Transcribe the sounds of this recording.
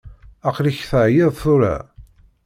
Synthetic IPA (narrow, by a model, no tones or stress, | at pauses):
æqliçθəʕjɪðˤθʊɾa̰